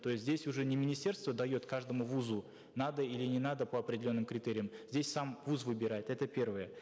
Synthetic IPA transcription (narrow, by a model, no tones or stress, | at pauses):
t̪o̞jɪsʲt̪ʲzʲdʲesʲʊʐɛnʲɪmʲɪnʲɪsʲe̞rst̪vəd̪ɐjo̞t̪kaʐd̪əmʊvuzu | nad̪əilʲɪnʲɪnad̪əpəɐpɾʲɪdʲɪlʲo̞nːɨmkɾʲɪt̪eɾʲɪjəmzʲdʲesʲsamvuzvɨbʲɪɾat̪ʲɛt̪əpʲe̞rvəjə